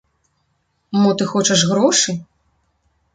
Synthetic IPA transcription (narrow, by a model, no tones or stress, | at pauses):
mɔt̪ɨxɔt͡ʂɐʂɣɾɔʂɨ